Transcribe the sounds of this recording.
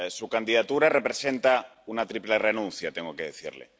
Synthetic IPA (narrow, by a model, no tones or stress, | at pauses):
sukand̪iðat̪uɾare̞pɾesent̪aunat̪ɾiplerenũn̟θjat̪eŋɡokeð̞eθḭɾlḛ